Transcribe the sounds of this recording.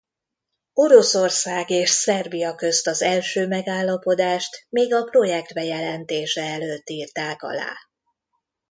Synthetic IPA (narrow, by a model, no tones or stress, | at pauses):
o̞ɾo̞sorsaːɡeːʃsɛrbijɒkø̞st̪ɒzɛlʃøːmɛɡaːlːɒpo̞d̪aːʃt̪miːɡɒpro̞jɛk̚t̪bɛjɛlɛnt̪eːʃɛɛløːt̪ːiːrt̪aːkɒ̰la̰ː